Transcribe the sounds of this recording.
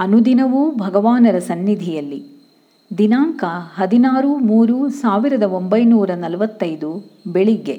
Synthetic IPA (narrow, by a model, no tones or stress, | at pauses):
ɐnud̪inɐʋubʱɐɡɐʋaːnɐɾɐsɐnːid̪ʱijɐlːi | d̪inaːŋkɐɦɐd̪inaːɾumuːɾuːsaːʋiɾɐd̪ɐo̞mbɐjnuːɾɐnɐlʋɐt̪ːɐjd̪ubeɭiɡe̞